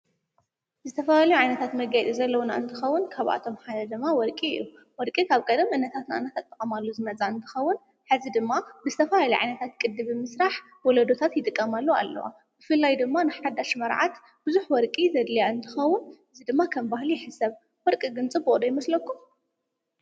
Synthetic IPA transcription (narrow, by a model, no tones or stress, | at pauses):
zɨt̪ʰɐfɐlalɐjuʕajnɐt̪ʰat̪mɐɡajt̪ʼizɐlːɐwona̰ɨnt̪ʰɨxɐwːʊnkʰaβʔa̰t̪ʰo̞mħad̪ɐd̪ɨmːawɔɾkʼiɨ̰jːu | wɔɾkʼikʰaβkʼɐd̪ɐmʔɨnːɐt̪ʰat̪nʔa̰nːat̪ʰat̪ʼːɐkʼɐmalːuzɨnɐt͡sʼaɨnt̪ʰɨ̥xɐwːʊn | ħɨzid̪ɨmːabɨzɨt̪ʰɐfɐlaliʕa̰jnɐt̪ʰat̪kʼɨd̪ːɨβɨmɨsɾaħ | wɔlɐd̪o̞t̪ʰat̪jɪt̪ʼɨkʼːɐmalːua̰lːɐ̰wa̰ | b̥ɨfɨlːajd̪ɨmːanɨħad̪aʃmɐɾʕat̪ | b̥ɨzuħwɔɾkʼizɐd̪lɐjaɨnt̪ʰɨxɐwːʊnɨzid̪ɨmːakʰɐmbahlijɪħɨsɐβ | wɔɾkʼiɡɨnt͡sʼɨboʔʼd̪ojɪmɐslɐkːum